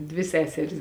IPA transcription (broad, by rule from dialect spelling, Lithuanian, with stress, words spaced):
ˈdʲʋʲɪ ˈsʲæːsʲɛrʲɪs